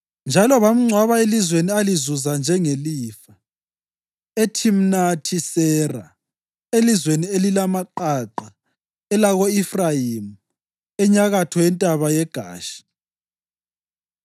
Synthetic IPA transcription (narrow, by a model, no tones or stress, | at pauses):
nd͡ʒʱalɔβam̩ŋ͡ǀʱwaβaelizwenializuzand͡ʒʱɛŋeliːfa | etʰim̩natʰisɛra̰ | elizwenielilamaǃaǃa | ɛlaɣoifrajimu | ɛɲaɣatʰɔjɛntʼaβajɛɡ̥ʱa̰ːʃi̥